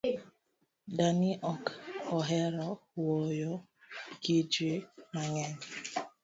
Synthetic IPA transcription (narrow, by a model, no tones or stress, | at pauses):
daniʔɔkɔɦɛɾɔwɔjɔ | ɡid͡ʒimaɲɛɲ